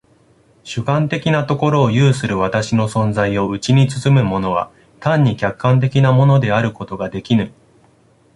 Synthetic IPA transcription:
ɕɨkãnt̪e̞kʲinat̪o̞ko̞ɾo̞ːjɯːsɨɾɯ̟βat̪aɕino̞sõ̞nd͡zaio̞ɯ̟t͡ɕiɲ̟it͡sɨ̥t͡sɨmɯ̟mo̞no̞βa̰ | t̪ãɲ̟ːikʲakːãnt̪̬e̞kʲinamo̞no̞d̪e̞aɾɯ̟ko̞t̪o̞ɡad̪e̞kʲinɯ

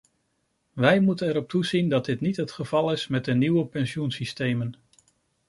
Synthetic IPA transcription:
ʋɛjmutənɛɾɔp̚tuzindɑd̚dɪtnitɦətχəv̥ɑlˠɪsmɛt̚dəniwəpɛnʃjunsistejmən

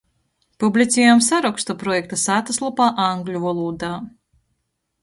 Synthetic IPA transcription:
publʲit̪sʲɛjamsaɾɔkst̪ɔpɾɔjɛkt̪asaːt̪aslˠɔpaːʔaŋɡlʲuvɔlˠuːd̪aː

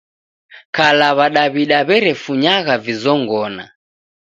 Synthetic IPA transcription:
kalaβaɗaβiɗaβɛɾɛfuɲaɣavizɔŋɡɔna̰

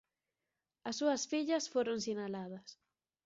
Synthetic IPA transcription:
ɐsːuɐsfiʎɐsfoɾoŋsinalað̞ɐs

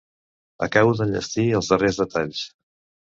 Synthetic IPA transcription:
ə̰kawðəʎə̰st̪iəlˠzðərezðət̪aʎs

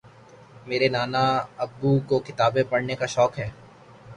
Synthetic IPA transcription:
meːɾenaːnaɐbːukokɪt̪aːbẽpɐɽnekaʃɔːkɦɛː

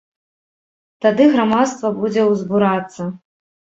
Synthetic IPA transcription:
t̪ad̪ɨɣɾamat̪st̪vɐbud͡zʲɛwzbuɾat̪sːɐ

